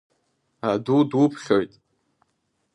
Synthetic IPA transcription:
adudwʊpʰχʲojtʼ

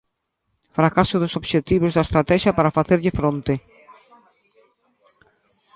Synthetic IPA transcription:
fɾɐkasod̪osɐpɕet̪ipɾost̪ɐst̪ɾɐt̪esɐpɐɾɐfɐθeɾcefɾont̪e

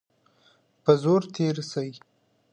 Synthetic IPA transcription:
pəzoɾt̪ʰeɾsəwi

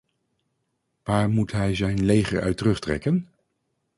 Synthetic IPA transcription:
ʋaːɹmutɦɛjzɛjnlejχə̰ɹœ̰ɥtərɵχtrɛ̰kən

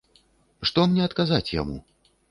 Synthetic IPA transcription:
ʂt̪ɔmnʲɛɐt̪kazat͡sʲja̰mṵ

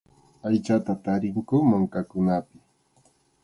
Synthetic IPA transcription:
ajt͡ʃat̪at̪aɾɪŋkʊmaŋkakʊnapɪ

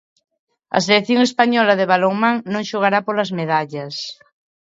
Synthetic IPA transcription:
ɐ̰s̬eleθjoŋespaɲɔlɐðeβaloŋmãŋnõŋʃoɣ̞aɾapolɐzmeðaʎɐs

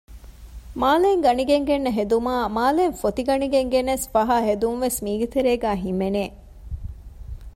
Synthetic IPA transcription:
maːleŋɡɐniɡeŋɡenːɐɦed̪umaːmaːleːnfot̪iɡɐniɡeŋɡenːesfɐɦaːɦed̪unʋesmiːɡet̪eɾeːɡæːɦimeneː

